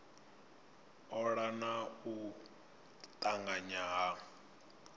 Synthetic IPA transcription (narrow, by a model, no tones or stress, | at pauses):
ɔɺanau | t̪ʼaŋɡaɲaɦa